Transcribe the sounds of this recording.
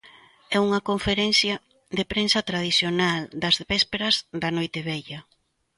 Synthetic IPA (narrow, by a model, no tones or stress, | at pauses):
ɛuŋɐkoɱfeɾɛnθjɐ | d̪epɾensɐt̪ɾað̞iθjonald̪ɐzβɛspeɾɐzd̪ɐnojt̪eβɛjʎɐ